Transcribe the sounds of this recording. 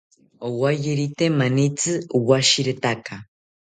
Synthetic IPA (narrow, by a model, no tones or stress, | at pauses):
owajeɾit̪emanit͡sɨuwaʃiɾet̪aka